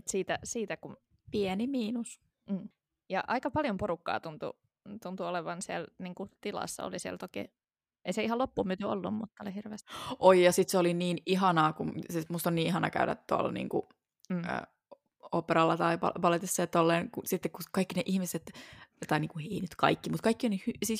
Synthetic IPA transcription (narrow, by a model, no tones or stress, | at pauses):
ut̪siːt̪æsiːt̪ækum | pienimiːnus | m̩ː | jɑʔɑikɑpɑljomporukːɑ̰ːt̪unt̪ṵ | t̪unt̪uoleʋɑnsiɛlniːŋkut̪ilɑ̰sːɑ̰o̰lisiælt̪okḛː | ʔeiseihɑlopːuːmyt̪yo̰lːṵmmut̪ːɑolihirʋḛːst̪ʔojjɑsit̪seoliniːniɦɑnɑːkusimust̪onniːnihɑnɑ̰kæ̰ydæ̰tt̪uɑ̰lnḭːŋkṵː | ə̰ | opːeɾɑlːɑt̪ɑipɑ̰pɑlet̪isːɑjɑt̪olːeːnkusit̪ːekkukɑikːineʔihmiset̪t̪ɑiniːŋkuheinyt̪kɑ̰ikːimut̪kɑikːionihysis